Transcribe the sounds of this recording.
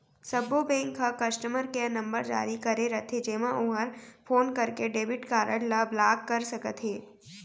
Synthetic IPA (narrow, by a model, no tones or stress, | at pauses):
sɐbobẽːŋkʰːakɐsʈəməɾkenɐ̃mbəɾd͡ʒa̰ːɾikɐɾeɾɐt̪ʰed͡ʒeːmãʔʊɦəɾpʰoːnkɐɾkeɖeːbɪʈkaːɾəɽlablaːkːɐɾsɐkət̪ɦeː